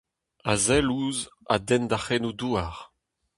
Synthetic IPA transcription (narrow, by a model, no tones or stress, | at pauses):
azɛluz | a̰d̪ɛnd̪aχenuduaʁ